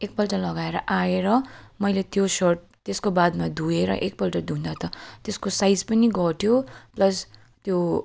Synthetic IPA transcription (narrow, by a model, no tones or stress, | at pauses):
ek̚pʌlʈʌlʌɡaeɾʌʔaeɾʌmʌjlet̪josorʈ | t̪eskobad̪mad̪ʱũeɾʌ̰ʔek̚pʌlʈʌrd̪ũnd̪at̪ʌt̪eskosajd͡zpʌniɡʌʈʰjoplʌs | t̪jo